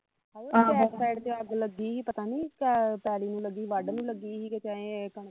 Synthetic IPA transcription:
ad͡ʒoːɛsaːɪɖt̪eəɡləɡiːɦiːpət̪ãːniːkɛpɛːliːnũːləɡiːʋaɖnũːləɡiːɦiːket̪ãːẽkəɳ

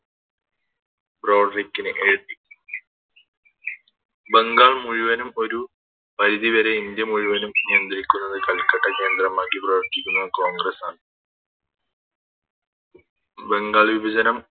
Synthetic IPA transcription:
bro̞ːɖrikːinɨʔeːʈːi | be̞ŋɡaːɭmuɻiʋɐnumo̞ɾu | pɐɾiðiʋɐɾe̞ind̪jɐmuɻuʋɐnumnijɐnd̪rikʲːunːɐðɨkɐɭkːɐʈːɐkeːnd̪rɐmaːkːibrɐːʋɐʈːikʲːunːɐko̞ːŋɡrɐsaːɳɨ | be̞ŋɡaːɭʋibɐd͡ʑɐnɐm

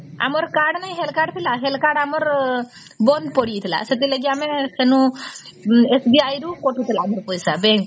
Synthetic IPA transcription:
a̰mɔɾkaɽnajɦelkaɖt̪ʰilaɦelkaɽamɔɾ | bɔnd̪pɔɽit̪ʰila̰set̪ileɡiamesenu | esbiajɾukɔʈʰut̪ʰilaːmɔɾpɔjsabɛŋk

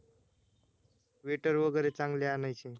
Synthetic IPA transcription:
ʋeʈəɾʋəɡəɾet͡saŋɡleanajt͡ɕi

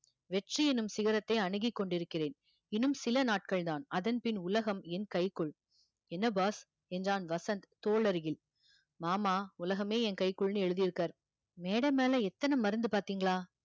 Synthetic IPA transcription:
ʋɛʈriɛnɯmsɪɣɐɾɐt̪ːɐɪɐɳɯɣɪkːɔɳɖɪɾɯkːɪreːn | ɪnɯmsɪlɐnaːʈ̚kɐɭd̪aːnɐðɐnpɪnʊlɐɣɐmɛnkɐɪkːɯɭ | ɛnːɐbaːs | ɛndraːnʋɐsɐnd̪t̪oːɭɐɾɣɪl | maːmaːʊlɐɣɐmeːɛnkɐɪkːɯɭnɯɛɻɯðɪjɪɾɯkːaːɾ | meːɽɐmeːlɐɛt̪ːɐnɐmɐɾɯnd̪ɯpaːɾt̪iːŋɡɐɭaː

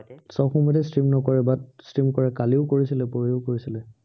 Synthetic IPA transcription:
sɔxɔmɔtɛstɹimnɔkɔɹɛbat̚stɹimkɔɹɛkaliʊkoɹisilɛpoɹiʊkoɹisilɛ

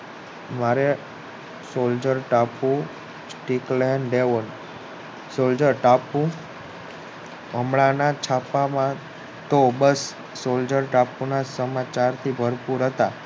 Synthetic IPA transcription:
maɾe | sold͡ʒəɾʈapũ | sʈiklɛnɖeʋən | sold͡ʒəɾʈapũ | əmɭanat͡ʃʰapamã | t̪obəsː | old͡ʒəɾʈapunasəmat͡ʃaɾt̪ʰibʱəɾpuɾɦət̪a

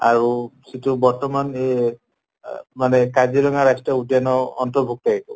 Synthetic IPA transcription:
aɹusitubɔɹtɔmane | manɛkad͡ʒilɔŋaɹajstɹɔudjanɔɔnt̪ɔbʱuk̚taikɔ

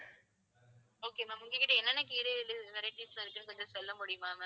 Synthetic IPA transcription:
oːkeːmaːmʊŋɡekːɪʈːɐɛnːɐnːɐkiːɾelɯɪʋɛɾɐɪʈːislãɪɾɯkːɯnɯkɔnd͡ʒɐsɔlːɐmʊɽɪjɯmaːmaː

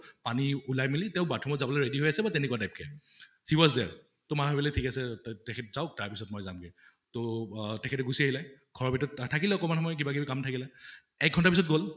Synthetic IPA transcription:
paniulajmilitɛʊ̃batʰɔmɔtzabɔlɔjɹediɦojasɛbatɛnɛkuatajp̚kʰɛ̰ | hiwɔzdɛ̰ɹ | tʊmaɦobɔlɔjtʰikasɛtɛkʰɛtzaʊk̚taɹpisɔtmɔjzamkɛ | totɛkʰɛtɛɡusiaɦilajɡʱɔɹɔbɛtɔttʰakilɛɔkɔmanxɔmɔjk̬ibakibikamtʰakilɛ | ɛkɡ̚ɡʱɔntapis̬ɔt̚ɡol

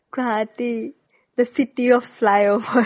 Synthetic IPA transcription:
kat̪i | d̪əsitiɔfːlajovə

